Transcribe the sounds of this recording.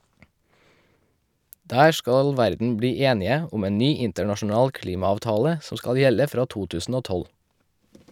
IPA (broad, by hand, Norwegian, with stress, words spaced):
ˈdæː ˈʃkɑl ˈʋæɾdn̩ ˈbɽiː ˈeːnɪə ˈʊm ˈeːn ˈnyː ˈɪntəɳɑʃn̩ˌɑːl ˈkliːmɑɑːʋˌtɑːlə ˈsɔm ˈskɑl ˈjɛlə ˈfɾɑː ˈtuː ˈtʉːsn̩ ˈoː ˈtɔl